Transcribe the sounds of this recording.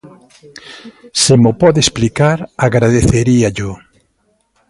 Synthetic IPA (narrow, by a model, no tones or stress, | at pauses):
semʊpɔðesplikaɾaɣɾaðeθeɾiaʎʊ